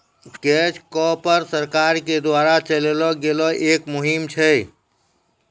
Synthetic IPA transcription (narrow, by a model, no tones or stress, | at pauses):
keːt͡ʃkɔpəɾsəɾkaːɾked̪waːɾat͡ʃəlelɔɡelɔʔeːkmʊɦimt͡ʃʰɛ